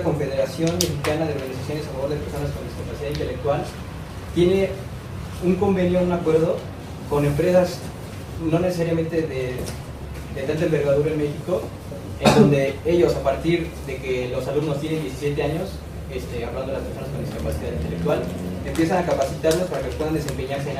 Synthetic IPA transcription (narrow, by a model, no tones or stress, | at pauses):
ko̞ɱfe̞ðe̞ɾasjo̞nme̞xikanaðeoɾɣanisasjonesafaβo̞ɾðepeɾso̞nasko̞nd̪iskapasiðaðint̪e̞le̞k̚t̪wal | t̪je̞ne̞ | uŋko̞mbe̞njo̞unakwe̞ɾð̞o̞ | ko̞ne̞mpɾe̞sas | no̞ne̞ses̬aɾjamẽ̞nt̪e̞ðe | d̪et̪ant̪aembe̞ɾɣaðuɾaenme̞xiko̞ | end̪o̞nd̪e̞e̞ʝo̞sapaɾt̪iɾðeke̞lo̞salumno̞st̪je̞nend̪je̞si̥sje̞t̪e̞aɲo̞s | est̪eaβlandoelaspeɾso̞naskond̪isiopasiðaðint̪elekt̪walempje̞sanakapasit̪aɾlospaɾake̞pwe̞ðand̪ese̞mpe̞ɲaɾs̬en